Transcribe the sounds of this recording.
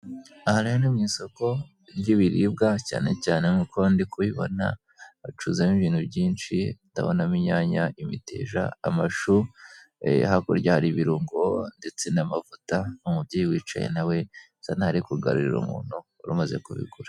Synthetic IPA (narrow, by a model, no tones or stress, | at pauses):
ahaɾajanimɲiːso̞ko̞ | ɾɟiβiɾibɡaca̰ːne̞caːne̞mukʰondikuβiβo̞̰na̰ | at͡ʃuzamiβiːnhubɟiːnt͡ʃita̰βo̰namiɲaːɲaʔimite̞̰ːʒa̰amaʃu | hakoɾɟahaɾiβiɾuːŋɡonde̞t͡se̞namavutaumubɟeːjiwiːt͡ʃa̰jḛnawe̞ | sanhaɾikuɡa̰ɾuɾiɾṵmṵːn̥huːɾumaze̞̰kuβḭɡuɾa